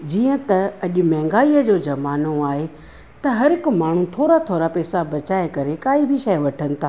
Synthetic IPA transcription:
d͡ʑiːə̃t̪ɐɐʄʊmɛ̃ːŋɡaːiːəd͡ʑoːd͡ʑɐmaːnoaːɦe | t̪ɐɦɐɾɪkʊmaːɳ̤ũt̪ʰoːɾat̪ʰoːɾapɛːsabɐt͡ɕaːekɐɾekaːibʱɪʃɐjʋɐʈʰənɪ̆t̪ʰaː

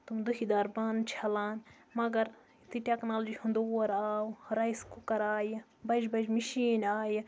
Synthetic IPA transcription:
t̪umd̪uhid̪aːɾbant͡ʃʰɐlaːn | mɐɡɐɾ | t̪iʈeknaːlod͡ʒihund̪oːɐɾaːwuɾɐiskukɐɾaːj | bɐd͡ʒbɐd͡ʒmiʃiːnaːji

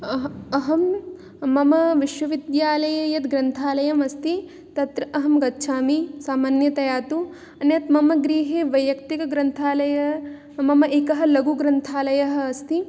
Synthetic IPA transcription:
ɐɐɦɐmː | ɐmɐʋiʃʋɐʋid̪jaːlɐjɐjɐt̪ɡɾɐnt̪ʰaːlɐjɐmɐst̪i | t̪ɐt̪ɾɐʔɐɦɐmɡɐtːʃʰaːmisaːmaːnjɐt̪ɐjaːt̪u | ɐnjɐt̪mɐmɐɡɾiːɦeːʋɐjʋɐkt̪ikɐɡɾɐnt̪ʰaːlɐjɐ | mɐmɐʔekɐɦɐ̆lɐɡuɡɾɐnt̪ʰaːlɐjɐɦɐːst̪i

